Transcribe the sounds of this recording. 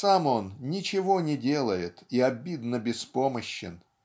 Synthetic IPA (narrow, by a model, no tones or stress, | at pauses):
samo̞nnʲɪt͡ɕɪvo̞nʲɪdʲe̞lˠəjɪt̪iɐbʲid̪nəbʲɪspo̞məɕːɪ̰n